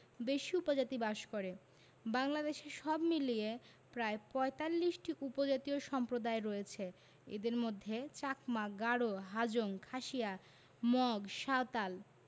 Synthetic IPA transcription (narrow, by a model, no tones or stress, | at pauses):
beʃiupod͡ʑat̪ibaʃkoɾe | baŋlad̪eʃeʃɔbmilie | pɾaepɔet̪alːiʃʈiʔupod͡ʑat̪ioʃɔmpɾod̪aeɾɔjet͡ɕʰe | ḛd̪eɾmod̪ʱːet͡ɕakmaɡaɽoɦad͡ʑoŋkʰaʃija | mɔɡʃaot̪al